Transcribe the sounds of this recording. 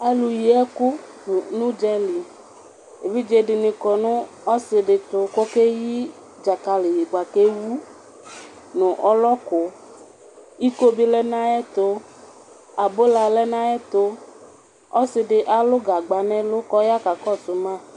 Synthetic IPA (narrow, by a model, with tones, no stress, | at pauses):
ɛ˦lu˨ji˨ɛ˦ku˦˨ | nũ˦d͡ʒɛ˦li˨ | e˨vi˦d͡ʒe˦ɖɪ˨nĩ˨kɔ˨nũ˦ | ɔ˦sɪ˨ɖɪ˨t̪o˨ko˦ke˦ji˦ | d͡ʒa˨ka˨li˨ji˨ɡ͡ba˨ke˦wu˦ | nũ˨ʔɔ˦lɔ˦ko˨ | i˦ko˦bi˦lɛ˦nã˦ɛ˦t̪o˦ | a˨bo˦la˨lɛ˦nã˦ɛ˦t̪o˦ | ɔ˦sɪ˨ɖɪ˨ʔa˦lo˦ɡa˨ɡ͡ba˨nɛ̃˦lo˦kɔ˦ja˦ka˨kɔ˦˨su˨mã˦